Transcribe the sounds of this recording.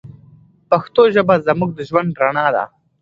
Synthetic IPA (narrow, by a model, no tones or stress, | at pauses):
paxt̪oʒəbazamuɡ̚d̪əʒwand̪ɾaɳɑd̪a̰